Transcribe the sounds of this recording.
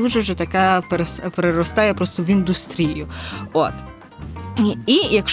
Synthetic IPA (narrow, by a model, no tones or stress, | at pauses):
uʒɛwʒɛt̪ɐkapɾspɾeɾɔst̪ɑjɛpɾɔst̪ɔʋind̪ʊst̪ɾʲijʊo̰t̪ | ijɐkʃ